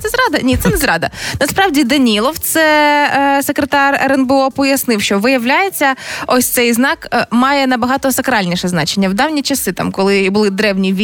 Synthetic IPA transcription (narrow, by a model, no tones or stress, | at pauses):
t̪ɛzɾɑd̪ɐnʲit̪sɛnɛzɾɑd̪ɐnɐspɾɑwdʲid̪ɐnʲilˠɔwt̪sɛ | sekɾet̪ɑrɛɾɛnbɛɔpɔjɐsnɪwʃt͡ʃɔʋɪjɐʋlʲajet͡sʲːɐɔsʲt̪sɛjznɑkmɑjɛnɐbɐɦɑt̪ɔsɐkɾɑlʲnʲiʃɛznɑt͡ʃenʲːɐwd̪ɑwnʲit͡ʃɐsɪt̪ɑ̰mkɔlˠɪbʊlˠɪd̪ɾɛwnʲiʋʲ